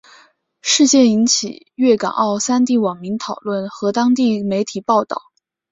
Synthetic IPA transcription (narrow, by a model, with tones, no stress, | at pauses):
ʂɻ̩˥˧t͡ɕjɛ˥˩i˧˥nt͡ɕʰḭ˨˩ | ɥɛ˥˩ka̰˨˩nʔɑ˥˩ʊsa˥nt̪i˥˩wɑ˨˩ŋmi˧˥ŋt̪ʰɑ˨˩ʊlwə˥˩nxɤ˧˥t̪ɑ˥ŋt̪i˥˩me˧˥ɪt̪ʰi˨˩pɑ˥˧ʊt̪ɑ̰˥˩ʊ